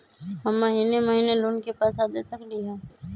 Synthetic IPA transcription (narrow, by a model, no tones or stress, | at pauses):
ɦɐmːɐɦiːnemɐɦiːneloːnkepaːsad̪esəkliɦɛ̃ː